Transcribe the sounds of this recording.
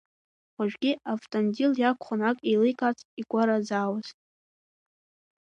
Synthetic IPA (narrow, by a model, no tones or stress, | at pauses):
χʷaʒᶣɡʲiaftʼondiljakʷʰχʊnakʼilɨjkʼat͡sʼikʷʼaɾazaːwazʼ